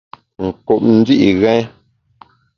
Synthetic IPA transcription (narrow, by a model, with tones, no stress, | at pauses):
ŋ̩˨ku˨p̚n̩˦di˦ʔi˨ɣɛ̃˦